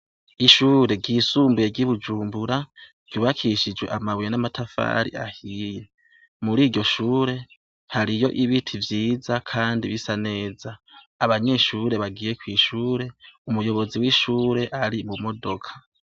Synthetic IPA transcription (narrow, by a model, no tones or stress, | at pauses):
iʃuːɾe̞ɡiːsuːmbuje̞ɡiβud͡ʒuːmbuɾa | ɡ̥uːβakʰiʃid͡ʒwe̞̰ʔamawjenamatʰafa̰ɾḭʔahije̞ | muɾiːɾɟo̞ʃuːɾe̞ | haɾijo̞ʔiβitʰivjiːzakʰaːndiβisane̞ːzaː | βaɲe̞ːʃuːɾe̞βaɡiːje̞kwiːʃuːɾe̞umujo̞βo̞ziwiʃuːɾe̞ʔaɾimumo̞do̞kʰḁ